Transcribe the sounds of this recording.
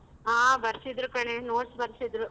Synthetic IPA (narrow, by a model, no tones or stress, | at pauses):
ɦaːbɐɾsid̪ɾukɐɳenoːɖsbɐɾsid̪ɾu